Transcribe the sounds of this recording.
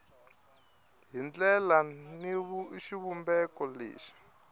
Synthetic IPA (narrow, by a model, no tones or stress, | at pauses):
ɦind͡ɮɛlaniβuʃiβumbɛkɔlḛːʃi̥